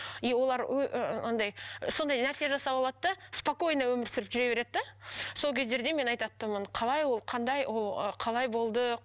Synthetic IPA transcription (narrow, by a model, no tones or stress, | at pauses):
iwo̞lˠɑɾɵʔnɑnd̪ɑjso̞nd̪ɑjnæɾse̞ʒɑsɑpɑlˠɑd̪əd̪ɑspoko̞jnɑwɵmɪɾsɪɾɪpʒʏɾe̞βe̞ɾe̞d̪ɪd̪ɑso̞lˠkʲʰe̞zd̪e̞ɾd̪e̞me̞nɑjt̪ɑt̪ːəmənqʰɑlˠɑjwo̞lˠqʰɑnd̪ɑjwʔolˠəqʰɑlˠɑjbo̞lˠd̪ə